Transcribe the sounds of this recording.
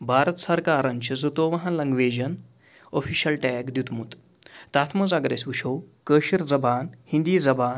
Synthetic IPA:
bʱaːɾət̪sɐɾkaːɾɐɲt͡ʃizut̪oːʋɐɦɐnlɐŋɡʋeːd͡ʑɐn | ofiːɕɐlʈɛːkd̪jut̪mut̪ | t̪aːt̪ʰmɐzaːɡɾeːsʋuʃowkəːɕiɾd͡zɐbaːnhind̪iːd͡zɐbaːn

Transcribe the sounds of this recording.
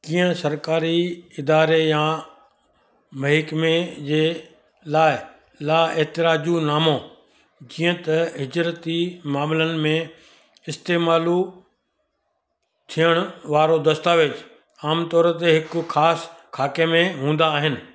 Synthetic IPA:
kiːə̃sɐɾkaːɾiɪd̪aːɾejã | mɐɦɪkmẽd͡ʑeː | laːɪ | laːeɦt̪ɪɾaːd͡ʑunaːmõ | d͡ʑiːə̃t̪ɐɦɪd͡ʑɾət̪imaːmlənɪ̆mẽ | ɪst̪eːmaːlu | t̪ʰijəɽ̃ʊʋaːɾod̪ɐst̪aːʋed͡ʑ | aːmt̪ɔːɾət̪eɦɪkʊxʰaːskʰaːkemẽɦũːn̆d̪aːɦɪnɪ̆

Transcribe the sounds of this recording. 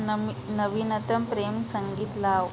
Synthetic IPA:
nəʋinət̪əmpɾemsəŋɡiːt̪laʋ

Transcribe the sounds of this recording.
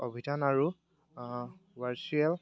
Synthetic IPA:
obʱidʱanaɹu | waɹt͡ʃuɛl

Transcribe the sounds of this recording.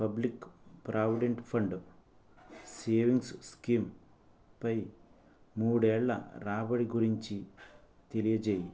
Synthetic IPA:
pɐblikːpɾʔaːʋiɖeɳʈpʰɐɳɖɨ | seːʋiŋɡsskiːm | pɐj | muːɽeːɭːɐ̰ɾaːbɐɽiɡuɾiɲt͡ʃi | t̪elijɐd͡ʒeːji

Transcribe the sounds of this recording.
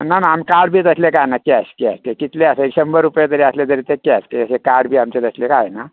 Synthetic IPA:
nanaːmkaɽbʱiːt̪əslekajenakeaskia̰skekit̪leasəeɕəmbəɾupjet̪əɾeaslet̪əɾet̪ekjaskesekaɾɽbʱiːamt͡ɕet̪əslekajena

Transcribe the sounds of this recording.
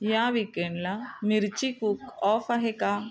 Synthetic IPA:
jãʋikeɳɖlamiɾt͡ɕikukɔːfaɦeka

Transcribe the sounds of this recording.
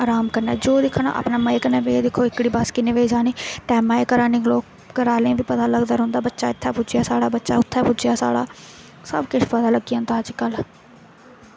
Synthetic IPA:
aːɾaːmkəɾnɛ̰ːd͡ʒoːd̪ɪkʰːna̰ːʔa̰ːpnaːməːeːkəɾnãːbed̪ɪkʰːoːɪkɽiːbaskɪneːʋed͡ʒaːniːʈɛːmaːekəɾaːniːkloːk̚ | ɡəɾaːlãːbiːpət̪aːləɡd̪aːɾɦʊ̃nd̪aːbətːʃaːɪt̪ʰːaːpʊd͡ʒɪjaːsaːɽaːbətːʃaːʊt̪ʰːaːpʊd͡ʒjaːsa̰ːɽa̰ː | sə̰bkɪt͡ʃpəd̪aːləɡːɪjãːnt̪aːd͡ʒkəl

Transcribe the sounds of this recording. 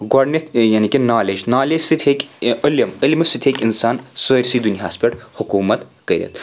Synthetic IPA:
ɡaɽnʲet̪janikʲenaːled͡ʑnaːled͡ʒsɨt̪ʰʲɦekəljɐməlmɐsɨt̪ʰʲekinsaːnsəɾʲsiːd̪unjaːspʲeʈhukuːmɐt̪kəɾʲjḛt̪

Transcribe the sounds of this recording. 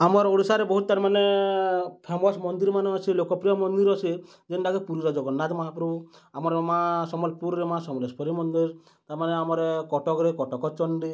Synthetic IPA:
amɔɾoɽisaɾebɔɦut̪̚ːt̪aɾmane | pʰemɔsmɔnd̪iɾmaneasʰilokɔpɾijɔmɔnd̪iɾɔt͡ʃʰi | d͡ʒenʈaɡepuɾiɾad͡ʒɔɡɔnːat̪mɔɦapɾɔ | amɔɾemasɔmɔlpuɾɾemasɔmɔlespɔɾimɔnd̪iɾ | t̪aɾmaneamɔɾekɔʈɔkɾekɔʈɔkɔt͡ʃɔnɖi

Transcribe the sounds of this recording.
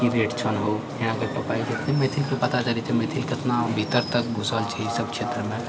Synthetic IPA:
kiɾeːʈt͡ʃʰɐnɦoɪɽ̃ãkɐɾpɐpaːid͡ʒɪt̪nimeːt̪ʰilkopɐt̪at͡ʃɐlit̪ʰimeːt̪ʰilkɪt̪nabʱit̪əɾt̪ɐk̚bʱʊsəlt͡ʃʰisɐb̚kʰʃʰeːt̪ɾəmẽ

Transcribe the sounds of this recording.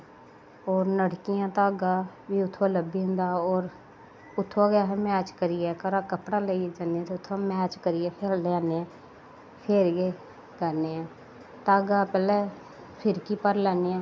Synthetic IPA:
oːɾnəɽkɪjãːt̪aːɡaːʋiːʊt̪ʰːoaləbiːɦʊ̃nd̪aːoːɾ | ʊt̪ʰːoaɡaːɦɛmɛːt͡ʃkəɾɪjɛːkəɾaːkəpɽaːləid͡ʒaneːd̪eʊt̪ʰːaːmɛːt͡ʃkəɾɪjɛːpʰeɾlɛːneãː | pʰɪɾɡeː | ɡəɾneːãː | t̪aːɡaːpɛːlɛː | pʰɪɾkiːpəɾlɛːneːãː

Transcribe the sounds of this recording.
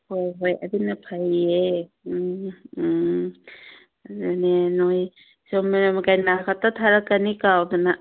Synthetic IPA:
hojɦoja̰dinapʰaje | denenoj | sɔmiɾamkajnakʰatatʰaɾakanikawdɔna

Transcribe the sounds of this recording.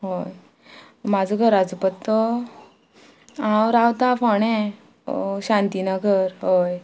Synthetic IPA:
ɦoj | mad͡zɔɡʱəɾad͡zupət̪ːɔ | awɾawt̪afɔɳ̃e | ɕãnt̪inaɡʱəɾɦoj

